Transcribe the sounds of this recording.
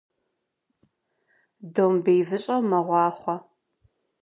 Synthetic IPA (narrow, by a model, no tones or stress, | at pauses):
doːmbejvɨɕʼɐwmɐʁʷɑːχʷɔ